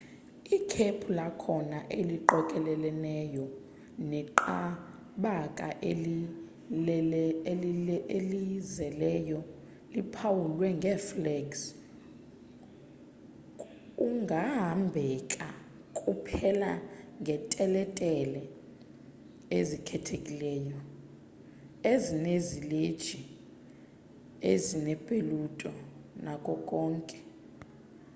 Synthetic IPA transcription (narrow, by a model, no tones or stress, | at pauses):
ikʰepʰulakʰɔnaʔeliǃɔkʼɛlɛlɛnɛjɔ | nɛǃa | ɓakʼaʔe | elizɛlɛjɔ | lipʰawulwɛŋɡʱɛflɛɡs | uŋɡʱaɦambʱɛkʼa | kʼupʰɛlaŋɡʱɛtʼɛlɛtʼɛlɛ | ezikʰɛtʰekʼilɛːjɔ | ezineziled̥ʒ̥ʱi | ezinɛpʼelutʼɔnakʼɔkʼɔːŋkʼɛ̥